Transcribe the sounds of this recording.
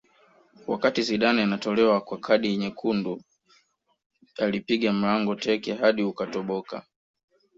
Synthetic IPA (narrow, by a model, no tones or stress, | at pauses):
wakatiziɗanaanatɔlɛwakwakʰaɗiɛɲɛkʰundu | alipiɠam̩laŋɡɔtɛkɛɦaɗiukatɔɓɔka̰